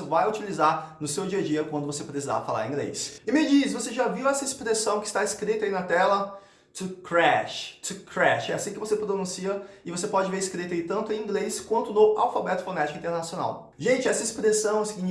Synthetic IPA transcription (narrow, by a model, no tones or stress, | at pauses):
vajut͡ʃilizaɾnʊsewd͡ʒiɐd͡ʒiɐkwɐ̃nd̪ʊvosepɾesiza̰fala̰ɾẽɡlḛjsɪmɪd͡ʒisvoseʒaviwɛsɐɪspɾesɐ̃w̃kɪst̪aɪskɾit̪ɐinɐt̪ɛlɐ | t͡ʃɪkɾɛʃt͡ʃɪkʰɾɛʃɛasĩkɪvosepɾonũsiɐɪvosepɔd͡ʒɪveɾɪskɾit̪ɐit̪ɐ̃nt̪ʊẽĩɡleskwɐ̃nt̪ʊnʊawfabɛt̪ʊ̥fonɛt͡ʃikʊĩt̪eɾnasiona̰w | ʒẽnt͡ʃɪɛsɐɪspɾesɐ̃w̃sɪɡĩn